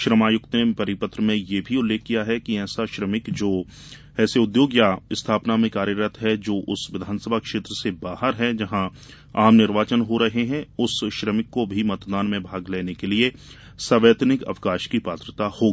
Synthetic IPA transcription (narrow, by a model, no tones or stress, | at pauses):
ʃɾəmaːjʊkt̪nepɐɾɪpət̪ɾəmẽjebʱiʊlːeːkːijaɦɛkiɛːsaʃɾəmɪkd͡ʒoː | ɛːseʊd̪joːɡjaɪst̪ʰaːpnamẽkaːɾjəɾət̪ʰɦɛd͡ʒoːʔʊsʋɪd̪ʱaːnsəbʱakʃeːt̪ɾəsebaːɦəɾɦɛd͡ʒɐɦã | aːmnɪɾʋaːt͡ʃənɦoɾɐɦeɦɛ̃ʊsʃɾəmɪkːobʱimɐt̪d̪aːnmẽbʱaːɡleːnekelie | sɐʋeːt̪nɪkɐ̰ʋkaːʃkipaːt̪ɾət̪ahoːɡiː